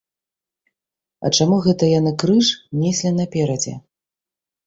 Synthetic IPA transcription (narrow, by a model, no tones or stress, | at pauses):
ɐ̰t͡ʂamuɣɛt̪ɐjanɨkɾɨʂnʲɛsʲlʲɛnɐpʲɛɾɐd͡zʲɛ̰